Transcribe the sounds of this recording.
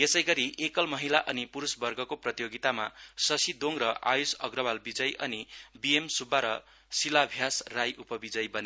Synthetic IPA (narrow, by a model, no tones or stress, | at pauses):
jesʌjɡʌɾiʔekʌlmʌɦilaʔʌnipuɾusbʌrɡʌkoprʌt̪ijoɡit̪amasʌsid̪oŋɾʌʔa̰jusʌɡrʌbalbid͡zʌjʔʌnibiemsubːaɾʌ | silabʱjasrajʔupʌbid͡zʌjbʌne